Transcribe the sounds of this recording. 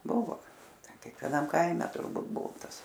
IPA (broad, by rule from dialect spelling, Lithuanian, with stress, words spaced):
ˈbʊʋoː ˈtʲɛn kʲɛkʋʲɛˈnɐm ˈkɐɪmʲɛ tʊrˈbuːt ˈbʊʋoː ˈtɐs